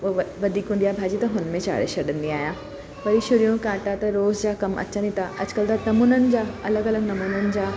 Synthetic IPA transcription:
oʋɐd̪ʱiːkɦũːnd̪ijaːbʱaːd͡ʑiːt̪ɐɦʊnmẽt͡ɕa̰ːɾḛʃɐɗə̃nd̪iaːɦjãː | pɐɾiʃʊɾijõkãːʈat̪ɐɾoːzd͡ʑaːkɐmʔɐ̰t͡ɕə̃nit̪ʰaʔɐd͡ʑkəlt̪anɐmuːnənɪ̆d͡ʑaːɐləɡɐləɡnɐmuːnənɪ̆d͡ʑaː

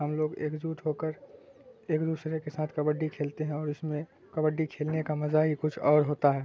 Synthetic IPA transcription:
ɦəmloːɡḛːkd͡ʒuːʈ̪ɦoːkəɾ | eːkd̪uːsɾekesaːt̪ʰkɐbəɖːikʰeːlt̪eɦɛ̃ɔːɾɪsmẽ | kɐbəɖːikʰeːlnekamɐzaɦikʊt͡ʃʰɔːɾɦoːt̪aɦɛː

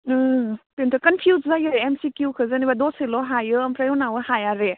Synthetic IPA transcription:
pentʰɯkɐnpʰjuzzajɯɾeemsikjukʰɯzanibadoselɔɦajɯːmpʰɾajɔwnawɯhajaɾe

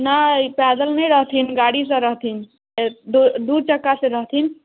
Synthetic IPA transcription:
napɛd̪əlnəjɾəɦt̪ʰinɡaɽis̬ə̃ɾəɦt̪ʰin | d̪d̪uɾt͡ʃəkːasẽɾəɦt̪ʰin

